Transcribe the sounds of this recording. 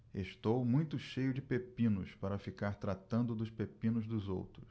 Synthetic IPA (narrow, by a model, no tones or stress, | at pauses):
eʃt̪owmũj̃t̪ʊʃejʊd͡ʒɪpepĩnʊspaɾɐfikaɾt̪ɾat̪ɐ̃nd̪ʊd̪ʊspepĩnʊzd̪ʊzo̰wt̪ɾʊs